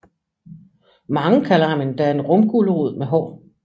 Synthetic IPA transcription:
mɑ̈ŋəkʰælɐhɑmend̥ææɐe̝nʁɔ̽mɡ̥uləʁuð̞̰ˠmeɦɒ̰ː

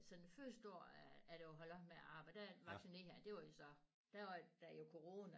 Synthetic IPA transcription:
sɒ̽n̥nføɐsd̥o̝ɐ̰æːd̥eoɦɒ̽lɒ̽b̥meæɑ̈ːb̥ɑ̈ɪd̥æʋɑ̥̈sine̝hæɐd̥e̝ʋɑ̈josɒ̽ | d̥æɑd̥æjo̝kʰo̝ʁo̝ːnæ

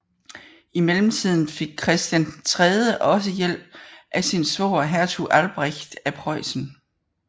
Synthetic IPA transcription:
imelm̩t͡sʰið̞̰ˠn̩fe̝ɡ̥̚kʰʁɛsd̥jænt͡sʰʁɛðˠəʔɒ̽s̬əjel̰b̥̚ʔæsinsʋɔ̰ːɦæɐt͡sʰuʔælb̥ʁeçd̥æpʰʁɒɪ̰sn̩

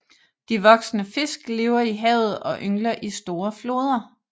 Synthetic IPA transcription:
d̥iʋɒ̽ɡ̥snəfe̝sɡ̥le̝ːʊɐiɦɛ̰ʊð̞̩ˠɒ̽ʔøŋlɐʔisd̥o̝ːɐflo̝ːð̞ˠɐ

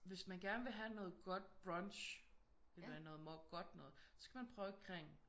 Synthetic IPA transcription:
ʋe̝smænɡ̥æɐnəʋe̝ɦænɔ̽ːð̩ˠɡ̥ɒ̽d̥̚b̥ʁɑnɕ | elænɔ̽ːðˠmɑɡ̥ɒ̽d̥nɔ̽ːð̩ˠsɒ̽sɡ̥æmænpʰʁœːʊkʰʁeŋ̰

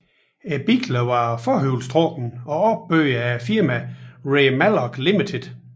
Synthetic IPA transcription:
eb̥iɡ̥ʰlɐʋɑ̈fɒɦøʊlsd̥ʰʁɔd̥n̩ɒ̽ɒb̥ːø̰ːæfiɐmæʁemælɒɡ̥limit͡sʰed̥

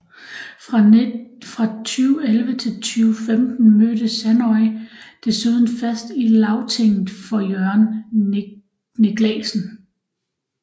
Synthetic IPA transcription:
ʁ | fʁɑ̈t͡sʰyːʊelʋət͡sʰe̝lt͡sʰyːʊfemd̥n̩mød̥əsænɒid̥e̝syð̞ˠn̩fæsd̥ilɑ̈ʊt͡sʰe̝ŋ̰ð̩ˠfɒ̽jœɐn | ne̝ɡ̥lɛ̰ːsn̩

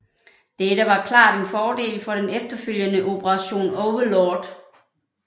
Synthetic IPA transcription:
d̥eɾəʋɑ̈kʰlɑ̰̈ːd̥e̝nfɒːde̝̰ːlfɒ̽ɾ̥enefd̥ɐføl̰jənəʔo̝pʰəʁɑ̈ɕo̝̰ːnɔʊʋəlɒːd̥

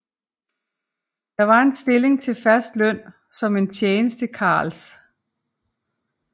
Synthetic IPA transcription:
d̥ɑ̈ʋɑ̈e̝nsd̥e̝le̝ŋt͡sʰe̝lfɶɐsd̥lœn̰ | sɒ̽me̝nt͡ɕʰjeːnəsd̥ekʰɑ̰̈ːls

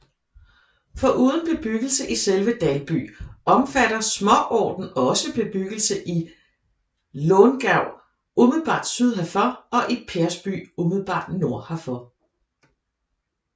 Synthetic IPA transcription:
fɒ̽ʔuːð̞ˠn̩b̥e̝b̥yɡ̥əl̩səʔiselʋəd̥ælb̥y̰ːɒ̽mfæɾɐsmɒ̽ʔɒ̰ːd̥n̩ɒ̽səb̥e̝b̥yɡ̥l̩səʔi | lɔːnɡ̥æʊ̰ | umiðˠb̥ɑ̈ːd̥syð̞ˠɦæfɒɒ̽ʔe̥pʰeɐsb̥y̰ːumið̞̩ˠb̥ɑ̰̈ːd̥no̝ɐ̰hæfɒ

